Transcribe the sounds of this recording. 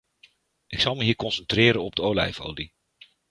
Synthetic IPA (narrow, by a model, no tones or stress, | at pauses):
ʔɪksɑlˠməɦiːɹkɔnsəntrɪːɾənɔb̚dəowlɛ̰jfo̰ːdi